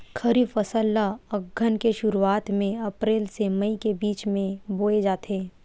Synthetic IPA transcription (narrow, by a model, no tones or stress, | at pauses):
kʰɐɾiːfɐsəlːaɐɡʱːənkeʃʊɾuaːt̪mẽɐpɾeːlsemɐikebiːt͡ʃmẽboːed͡ʒaːt̪eː